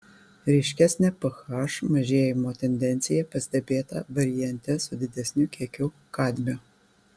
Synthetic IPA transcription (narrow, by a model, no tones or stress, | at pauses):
ɾʲɛɪʃʲkʲæsʲnʲɛpɐxɑːʃmɐʒʲeːjɪmoːt̪ʲɛnʲd̪ʲɛnʲt̪sʲɪjɛpɐsʲd̪ʲɛbʲeːt̪ɐ̰ʋɐɾʲɪjɛnʲt̪ʲɛsʊd̪ʲɪd̪ʲɛsʲnʲukʲiɛkʲʊ | kɑːd̪ʲmʲo